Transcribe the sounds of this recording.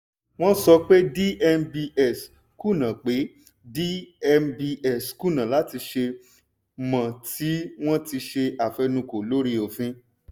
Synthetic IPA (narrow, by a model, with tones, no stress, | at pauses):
w̃ɔ̃˦sɔ˧k͡pe˦di˦ʔɛ˧mbi˧ɛ˦˨s | ku˦˨nã˨k͡pe˨˦ | di˦ɛ˧mbi˧ʔɛ˨sku˦˨nã˨la˨˦ti˧ʃe˧ | mã˨ti˨˦w̃ɔ̃˦ti˧ʃe˧a˨fɛ˧nũ˧˦ko˨lo˨˦ɾi˦o˨fĩ˦